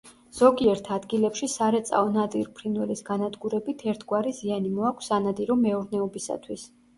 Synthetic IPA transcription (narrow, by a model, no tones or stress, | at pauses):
z̥ɔɡiɛɾt̪ʰad̪ɡilɛpʃisaɾɛt̪sʼa̰ɔnad̪iɾpʰɾinwɛlisɡanad̪ɡuɾɛbit̪ʰɛɾt̪ʰɡwaɾizianimɔakʷʰsanad̪iɾɔmɛuɾnɛɔbisa̰t̪ʰwis